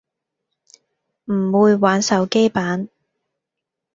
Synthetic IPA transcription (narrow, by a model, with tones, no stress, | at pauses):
m̩˨˩wuː˨˧jwaː˨˥nsɐ˨˧wke˥jpaː˨˥n